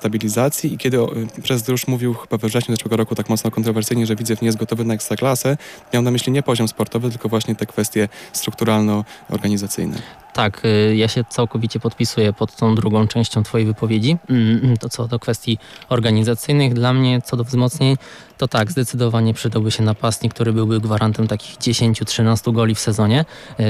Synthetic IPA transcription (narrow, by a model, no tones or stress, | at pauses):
st̪abʲilʲizat̪sʲjiikʲɛd̪ɘɔpʂɛzd̪ɾuʂmuvʲiwxɘbavvʐɛɕɲuzɛʂwɛɡɔɾɔkut̪akmɔt̪snɔkɔnt̪ɾɔvɛɾsɘjɲɛʐɛvʲid̪zɛvɲɛjɛszt̪ɡɔt̪ɔvɘnaɛkst̪ɾaklasɛmʲjawnamɘɕlʲiɲɛpɔʑɔmspɔɾt̪ɔvɘt̪ɘlkɔvwaɕɲɛt̪ɛkfɛst̪ʲjɛst̪ɾukt̪uɾalnɔɔ̰ɾɡaɲizat̪sɘ̰jnɛ̰t̪akʰjaɕɛt̪sawkɔvʲit͡ɕɛpɔt̪pʲisujɛpɔt̪ːɔ̃w̃d̪ɾuɡɔ̃w̃t͡ʂɛ̃w̃ɕt͡ɕɔ̃w̃t̪fɔjejvɘpɔvʲjed͡ʑit̪ɔt̪sɔd̪ɔkfɛst̪ʲjiɔɾɡaɲizat̪sɘjnɘɣd̪lamɲɛt̪sɔd̪ɔvzmɔt̪sɲeɲ | t̪ɔt̪aɡzd̪ɛt̪sɘd̪ɔvaɲɛpʂɘd̪awbɘɕɛnapast̪ɲik̚t̪uɾɘbɘwbɘɡvaɾʔant̪ɛmt̪akʲiɣd͡ʑeɕeɲt͡ɕutʂɘnast̪uɡɔlʲifsɛzɔɲɛ